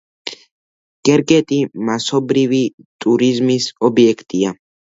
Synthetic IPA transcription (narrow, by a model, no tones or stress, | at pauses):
ɡ̥ɛɾɡʼɛt̪ʼimasɔbɾivit̪ʼuɾizmisɔbiɛkʰt̪ʼia